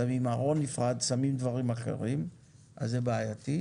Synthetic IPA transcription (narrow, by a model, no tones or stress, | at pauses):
amimaʁo̞nːifʁad̪samimd̪vaʁimaχḛʁim | ʔa̰zːebeajat̪i